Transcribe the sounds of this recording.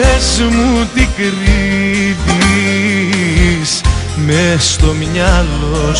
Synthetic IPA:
ezmut̪ikɾiði | s | mest̪omɲɐlo

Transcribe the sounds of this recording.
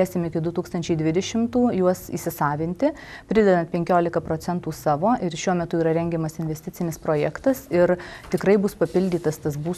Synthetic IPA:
eːsʲɪmɪkʲɪd̪ʊt̪uːkst̪ɐnʲt͡ʃʲɛɪd̪ʲʋʲɪd̪ʲɛʃʲɪmt̪uːjuɔsḭːsʲɪsɑːʋʲɪnʲt̪ʲɪ | pʲɾʲɪd̪ʲɛd̪ɐnt̪pʲɛŋʲkʲoːlʲɪkɐpɾoːt͡s̪ʲɛnt̪uːsɑːʋoːʔɪɾʃʲuɔmʲɛt̪ʊiːɾɐɾʲɛŋʲɡʲɛmɐsɪnʲʋʲɛst̪ʲɪtt͡s̪ʲɪnʲɪspɾoːjɛkt̪ɐsɪɾt̪ʲɪkɾɐɪbʊspɐpʲɪlʲd̪ʲiːt̪ɐst̪ɐsbuː

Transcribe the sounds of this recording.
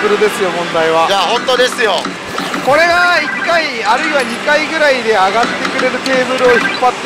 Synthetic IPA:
ɯɾɯ̟d̪e̞sɨjo̞mõ̞nd̪aiβad͡ʒaɦõnt̪od̪e̞sɨjo | ko̞ɾe̞ɡaikːaiaɾɯiβaɲikaiɡɯ̟ɾaid̪e̞aɡat̪ːe̞kɯ̟ɾe̞ɾɯ̟t̪e̞ːbɯ̟ɾɯ̟o̞çipːat̪ː

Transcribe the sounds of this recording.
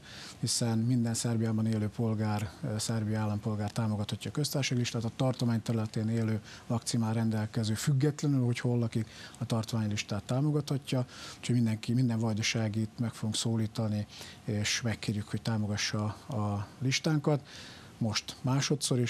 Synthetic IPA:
hisɛnmind̪ɛnsɛrbijaːbɒneːløːpo̞lɡaːrsɛrbijaːlːɒmpo̞lɡaːrt̪aːmo̞ɡɒt̪hɒcːɒːkø̞st̪aːrʃaɡliʃt̪aːt̪ɒt̪ɒrt̪omaːɲt̪ɛɾylɛt̪eːneːløːmɒk̚t̪simaːrɛnd̪ɛlkɛzøːfyɡːɛt̪lɛnylho̞cho̞lːɒkikɒt̪ɒrt̪ʋaːɲliʃt̪aːt̪ːaːmo̞ɡɒt̪hɒcːɒucʰoɟmind̪ɛŋkimind̪ɛɱvɒd̪ɒʃaːɡit̪mɛkfoɡuŋksoːliːt̪ɒnieːʃmɛkːeːrjykho̞c̚t̪aːmo̞ɡɒʃːɒɒliʃt̪aːŋkɒt̪ | mo̞ʃt̪maːʃo̞t̪so̞ɾeː

